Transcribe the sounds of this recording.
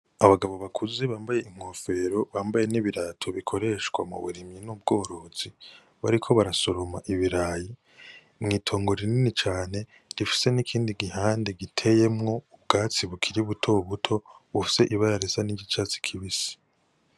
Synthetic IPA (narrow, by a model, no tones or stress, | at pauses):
aβaɡaβo̞βakʰuziβaːmbaje̞iŋ̥o̞fe̞ɾo̞βaːmbaje̞niβiɾatʰo̞βikʰo̞ɾe̞ʃɡwa̰mṵβṵɾimɲinub̚ɡo̞ːɾo̞z̥i | βa̰ɾikʰo̞βaɾasoɾomaʔiβiɾaːji | mŋiːtʰo̞ːŋɡo̞ɾininit͡ʃaːne̞ | ɾifi̥se̞nikʰiːndiɡihaːndeɡitʰe̞je̞mŋo̞ubɡaːt͡siβukʰiɾiβutʰo̞βutʰo̞βufi̥se̞ʔiβajaɾesaniɟit͡ʃat͡si̥kʰiβisi̥